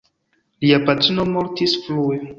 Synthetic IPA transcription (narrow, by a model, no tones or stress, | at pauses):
liapatɾino̞mo̞ɾtisflue